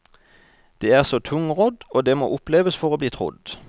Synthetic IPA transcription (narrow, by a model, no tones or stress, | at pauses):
d̪̥eːæːʁsoːt̪ʰʊŋʁɔd̪oːd̪eːmo̰ːʔʊpleːʋəsfɔʁoːbliːt̪ʰʁʊ̰d̪